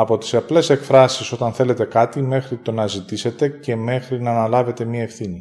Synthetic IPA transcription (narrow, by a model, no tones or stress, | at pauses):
ɐpo̞t̪i̥sɐple̞se̞kfɾɐsiso̞t̪ɐnθe̞le̞t̪e̞kɐt̪ime̞xɾit̪o̞nɐzit̪ise̞t̪e̞ce̞me̞xɾinɐːnɐlɐve̞t̪e̞mɲɐefθini